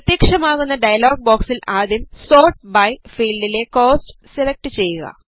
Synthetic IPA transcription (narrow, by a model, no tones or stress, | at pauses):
pɐt̪jekʂɐmaːɣunːɐɖɐjɐloːɡ̚boːksilʔaːðimso̞ːʈ̚bɐjfiːlɖile̞ko̞ːsʈɨ̥selek̚ʈɨt͡ɕe̞jːuɣɐ̰